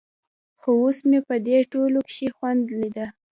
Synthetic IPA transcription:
xoosmepəd̪eʈolokʃixwand̪lid̪a

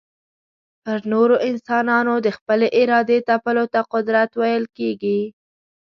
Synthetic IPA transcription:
pəɾnoɾoʔɪnsɑnɑnod̪əxpəleʔɪɾɑd̪et̪apəlot̪aqʊd̪ɾat̪wajəlkeɡi

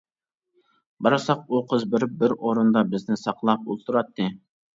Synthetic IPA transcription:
bɑɾɑsɑq̚oqʰəzbɪɾɪp̚bɪɾoɾɨnd̪ɑbɪznɪsɑqlˠɑp̚ulˠt̪ʰuɾɑt̪ːɨ

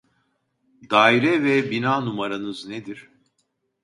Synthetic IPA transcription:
d̪aːiɾɛvɛbinaːnumaɾanɯzned̪iɾ̥

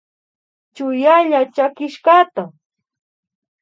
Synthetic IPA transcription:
t͡ʃʊjaʎat͡ʃakɪʃɢɑt̪a

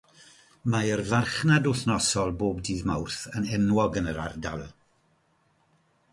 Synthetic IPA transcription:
maərvarχnadʊθnɔsɔlˠboːbdiːðmawrθənɛnwɔɡənəɾa̰rdalˠ

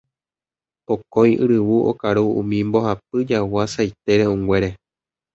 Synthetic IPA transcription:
pokõjʔɨ̰ɾɨwuʔo̰kaɾuṵ̃mĩmbo̞hap̚ɨd͡ʒawasajt̪eɾeũŋɡʷe̞ɾe̞

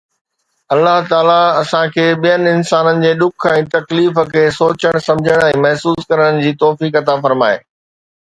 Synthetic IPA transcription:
ɐlːaɦt̪aːlaɐsãkʰeːɓijənɪ̆ɪnsaːnənɪ̆d͡ʑeːɗʊkʰɛ̃ːt̪ɐkliːfə̆kʰeːsoːt͡ɕəɽ̃sɐ̃md͡ʑʱəɽ̃ɛ̃ːmɐɦsuːskɐɾəɽ̃̆d͡ʑiːt̪ɔːfiːkɐt̪afɐɾmaːḛː

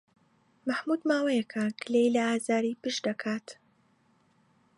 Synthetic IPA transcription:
maħmuːd̪maːwɐjɐkʰɐkɨlejlɐaːzaːɾiːpɨʃd̪ɐkʰaːt̪

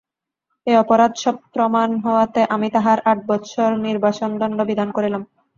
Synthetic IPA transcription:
eɔpoɾad̪ʃɔb̚pɾomanɦɔoat̪eʔamit̪aɦaɾaʈ̚bɔtːʃʰoɾniɾbat͡ɕond̪ɔnɖobid̪ʱankoɾilam

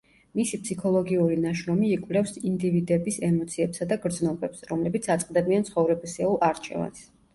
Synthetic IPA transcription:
misipʰsikʰɔlˠɔɡiuɾinaʃɾɔmiːkʼvlɛfsind̪ivid̪ɛbisɛmɔt̪sʰiɛpsad̪aɡɾd̪znɔbɛpsɾɔmlɛbit̪sʰat̪sʼqʼd̪ɛbiant̪sʰχɔvɾɛbisɛulˠaɾt͡ʃʰɛ̰va̰ns

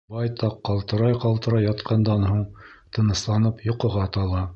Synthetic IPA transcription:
bɑjt̪ɑqːɑlˠt̪ɤ̆ɾɑjqɑlˠt̪ɤ̆ɾɑjɑt̪qʰɑnd̪ɑnhuɴt̪ɤ̆nɤ̆slˠɑnɤpjŏqɤ̆ʁɑt̪ɑlˠɑ

